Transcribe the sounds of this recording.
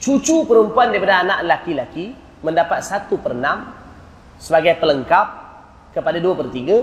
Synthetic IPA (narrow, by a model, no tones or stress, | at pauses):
t͡ʃut͡ʃupəɾumpuandaipadaːnãʔlakilaki | mə̃ndapat̪̚sat̪upərnãm | səbaɡajpələŋkap̚ | kəpadaduapərt̪iɡa